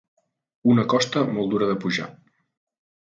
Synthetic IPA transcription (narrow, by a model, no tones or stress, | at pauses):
unəkɔst̪əmɔlˠd̪uɾəðəpuʒa̰